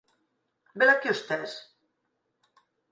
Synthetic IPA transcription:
belakiust̪ɛs

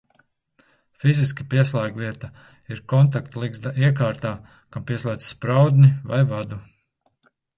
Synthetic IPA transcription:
fiziskipiɛslˠaːɡvʲiɛt̪a | iɾkɔnt̪̬ak̚t̪lˠiɡzd̪aʔiɛk̬aːɾt̪aː | kampiɛslˠaːd̪sspɾawd̪niva̰jvad̪u

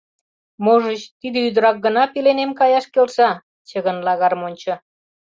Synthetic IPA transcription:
moʒət͡ɕt̪id̪ə̆yd̪əɾɑk̚ɡə̆nɑpilenemkɑjɑʃkelʃɑ | t͡ɕəɣənlɑɣɑrmonʲt͡ɕɤ̆

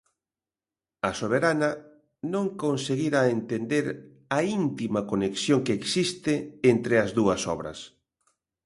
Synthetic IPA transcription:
ɐsoβ̞eɾanɐ | nõŋkonseɣiɾaent̪end̪eɾ | ɐint̪imɐkoneksjoŋkeːksist̪ɪent̪ɾɪɐzðuɐsɔ̰βɾɐ̰s

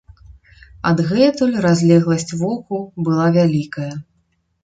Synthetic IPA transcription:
ɐ̰d̪ɣɛt̪ulʲrazʲlʲɛɣlˠɐsʲt͡sʲvɔkubɨlˠavʲalʲikɐjɐ

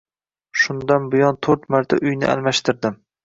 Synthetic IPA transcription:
ʃʊnd̪anbʊjɒnt̪ʰoɾt̪maɾt̪ʰa̰ʔʊjnɪ̰ʔa̰lˠmaʃt̪ɪɾd̪ɪm

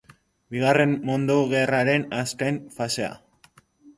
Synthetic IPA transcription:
biɣare̞mːond̪oɣeraɾe̞naskajnfase̞a̰

